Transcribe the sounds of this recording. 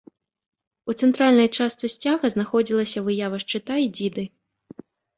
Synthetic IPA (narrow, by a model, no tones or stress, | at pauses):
ut̪sɛnt̪ɾalʲnɐjt͡ʂast̪sɨsʲt͡sʲaɣɐznaxɔd͡zʲilˠɐsʲɐvɨjavɐʂt͡ʂɨt̪aid͡zʲid̪ɨ